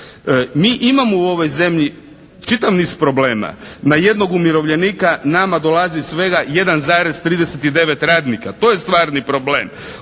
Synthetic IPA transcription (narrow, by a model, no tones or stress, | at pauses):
miːʔimamouo̞ʋo̞jze̞mʎi | t͡ʃit̪aʋniːzpɾo̞ble̞ːma̰naje̞d̪no̞ɡumiɾo̞ʋʎe̞niːkanamad̪o̞lˠazisʋe̞ɡaje̞d̪anzaːɾez̥t̪ɾiːd̪e̞set̪id̪e̞ʋe̞t̪ɾaːd̪nikat̪o̞je̞st̪ʋaːɾnipɾo̞blḛːm